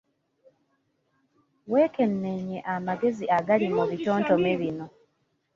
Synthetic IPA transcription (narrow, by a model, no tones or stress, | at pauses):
we̞ːke̞nːe̞ɲeʔamaɡe̞ziʔaɡalimuβitoːntomeβino̞